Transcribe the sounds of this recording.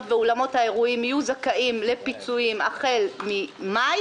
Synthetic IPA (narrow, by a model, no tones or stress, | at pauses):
veolamo̞thae̞ʁuimajuzakaʔimle̞pit͡suimaχe̞lmima